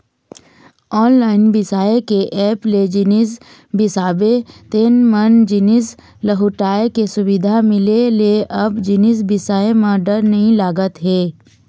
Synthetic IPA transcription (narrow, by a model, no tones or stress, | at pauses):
ɔːnlaːɪnbɪsaːekeʔɛːpled͡ʒɪnɪs̬ | bɪsaːbet̪eːnmənd͡ʒɪnɪs | ləɦʊʈaːekesʊʋɪd̪ʱamɪleleʔɐbd͡ʒɪnɪs̬bɪsaːemãɖəɾnɐɦĩlaːɡət̪ɦeː